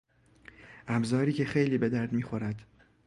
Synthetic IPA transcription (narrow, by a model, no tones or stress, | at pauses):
ʔæbzɒːɾiːcʰe̞xejliːbe̞d̪æɾd̪miːxo̞ɾæd̪̥